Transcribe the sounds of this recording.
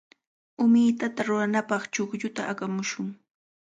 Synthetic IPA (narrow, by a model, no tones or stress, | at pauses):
ʊmɪjt̪at̪aɾʊɾanapɑχt͡ʃokʎʊt̪aakamʊʃʊŋ